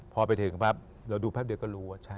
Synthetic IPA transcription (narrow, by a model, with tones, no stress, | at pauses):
pʰɔː˧pa˧jt̪ʰɯ˨˩˦ŋpʰa˦˥p̚ | ɾa˧wduː˧pʰɛː˦˥˩di˧kɔː˥˩ɾuː˦˥wa˧˥˩t͡ɕʰa˥˩